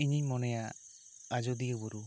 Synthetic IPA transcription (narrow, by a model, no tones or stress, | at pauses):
iɲimɔnɛja | ad͡ʒɔd̪iəbɔɾu